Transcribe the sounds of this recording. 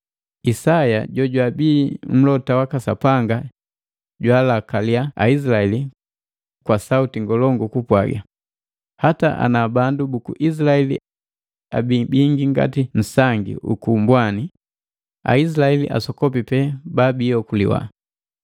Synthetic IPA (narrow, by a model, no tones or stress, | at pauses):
isajaɟɔɟwabiːm̩lɔtawakasa̰paŋɡa | ɟwalakaliaa̰is̬ilaɛli | kwasautiŋɡɔlɔŋɡukupwa̰ɡa̰ | hataʔa̰nabandubukṵʔis̬laɛlḭ | a̰bibiŋɡiŋɡa̰tin̩saŋɡḭʔṵkumbwani | a̰isilaɛlḭʔa̰sɔkɔp̬ipɛbabijɔkulḭwa̰